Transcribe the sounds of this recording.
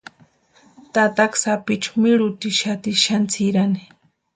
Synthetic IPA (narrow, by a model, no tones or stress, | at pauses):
t̪at̪aksapit͡ʃu̥miɾʊt̪iʃat̪iʃant͡sʰiɾani̥